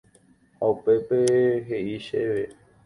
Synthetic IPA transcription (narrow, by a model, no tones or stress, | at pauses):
haupe̞peɦeʔiʃeʋe